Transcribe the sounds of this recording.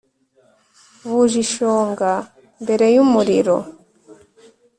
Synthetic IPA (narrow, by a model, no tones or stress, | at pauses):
βuʒiʃoːŋɡa | mbe̞ɾe̞jumuɾiɾo̰